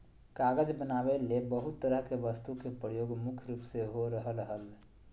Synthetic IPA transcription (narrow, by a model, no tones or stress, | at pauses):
kaːɡəd͡ʒbənaːbelebəɦut̪ːəɾəɦkeʋəst̪ukepɾəjoːɡmʊkʰɾuːpseɦoɾəɦələɦəl